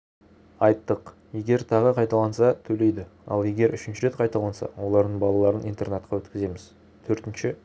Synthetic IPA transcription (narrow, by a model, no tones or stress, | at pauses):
ɑjt̪ːəq | je̞ɡʲe̞ɾt̪ʰɑʁəqʰɑjt̪ɑlˠɑnsɑt̪ʰɵle̞jd̪ɪɑ̰lˠe̞ɡʲe̞ɾʔʏʃɪnʃɪɾe̞t̪qʰɑjt̪ɑlˠɑnsɑ̰wo̞lˠɑɾd̪əɴbɑlˠɑlˠɑɾənijnt̪e̞rnat̪̚qʰɑwɵt̪kʲɪze̞mɪz | t̪ʰɵɾt̪ɪnʃɪ